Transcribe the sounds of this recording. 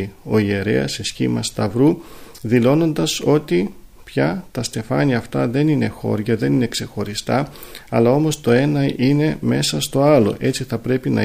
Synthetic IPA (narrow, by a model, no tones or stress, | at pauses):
io̞ie̞ɾe̞̰ɐ̰sesçḭmɐst̪ɐvɾuðilo̞no̞nd̪ɐso̞t̪i | pçɐt̪ɐst̪e̞fɐniɐft̪ɐðe̞nine̞xo̞̰ɾʝɐðe̞nine̞kse̞xo̞ɾist̪ɐ | ɐlɐo̞mo̞st̪o̞e̞nɐine̞me̞sɐst̪o̞ɐlo̞̰ʔe̞t͡siθɐpɾe̞pinɐ̰